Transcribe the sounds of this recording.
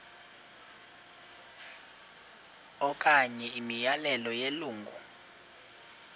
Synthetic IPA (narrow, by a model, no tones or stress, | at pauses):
ɔk̬ʼaɲɛimijalɛlɔjeluːŋɡʱṵ